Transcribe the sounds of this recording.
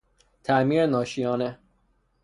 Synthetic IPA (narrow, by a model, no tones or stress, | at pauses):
t̪ʰæʔmiːɾenɒːʃijɒːne